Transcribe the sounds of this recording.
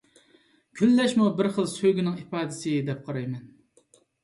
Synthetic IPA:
kʲʰylːɛʃmubɪɾχəlˠsøɡʲinɪŋipɑːd̪ɪsɨd̪ɛp̚qʰɑɾɑjmɛn

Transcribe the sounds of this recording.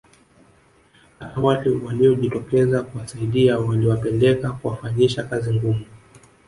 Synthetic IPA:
aawaliwaliɔʄitɔkɛzakuwasaiɗiawaliwapɛndɛkakuwafaɲiʃakaziŋɡumu

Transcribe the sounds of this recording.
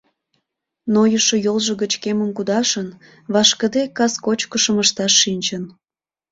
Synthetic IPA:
nojəʃojolˠʒə̆ɣət͡ɕkeməmkud̪ɑʃən | βɑʃkəd̪ekɑskot͡ɕkəʃəməʃt̪ɑʃːinʲt͡ɕən

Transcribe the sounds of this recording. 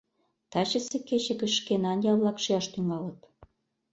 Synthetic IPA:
t̪ɑt͡ɕə̆seket͡ɕĕkə̆ʃkenɑnjɑβlɑkʃiɑʃt̪yŋɑlət̪

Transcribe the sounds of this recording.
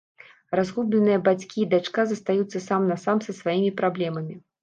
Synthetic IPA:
razɣublʲɛnɨjɐbat͡sʲkʲiːd̪at͡ʂkazɐst̪ajut̪sːɐsamnɐsamsɐsvajimʲipɾablʲɛmɐmʲi

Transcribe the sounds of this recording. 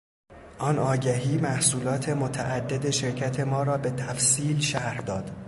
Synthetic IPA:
ʔɒːnɒːɟæɦiːmæhsuːlɒːt̪ʰe̞mot̪ʰæʔæd̪ːed̪e̞ʃe̞ɾcʰæt̪ʰe̞mɒːɾɒːbe̞t̪ʰæfsiːlʃæhd̪ɒːd̪̥

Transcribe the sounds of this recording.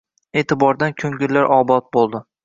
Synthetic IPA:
e̞ːt̪ʰɪbɒɾd̪ankʲʰɵŋɡʲɪlːaɾʔɒbɒt̪̚bolˠd̪ɪ

